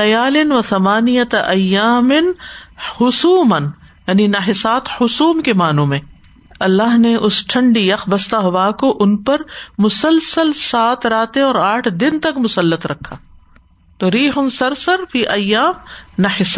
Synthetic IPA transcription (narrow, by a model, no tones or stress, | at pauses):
ɐjaːlɪnʋɐt̪ɐmaːnijɐt̪ʔɐjːaːmɪnhʊsuːmɐnjaːninɐɦɪsaːt̪hʊsuːmkemaːnõmẽː | ɐlːaːɦneʔʊsʈʰɐ̃ɳɖijɐxbɐst̪aɦʊʋakoʔʊnpɐɾmʊsəlsəlsaːt̪ɾaːt̪ẽɔːɾaːʈʰd̪ɪnt̪ɐkmʊsɐlːət̪ɾɐkʰːaː | t̪oɾiːɦʊnsɐɾsɐɾfiːʔɐjːaːmnɐħɪsa